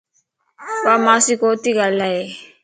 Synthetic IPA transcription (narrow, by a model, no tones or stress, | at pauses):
bamasikoːt̪iɡalae